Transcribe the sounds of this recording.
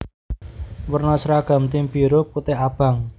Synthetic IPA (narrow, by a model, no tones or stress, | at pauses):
wərnɔsɾaɡ̥a̤mt̪ɪmpiɾʊp̚kut̪ɪhab̥a̤ŋ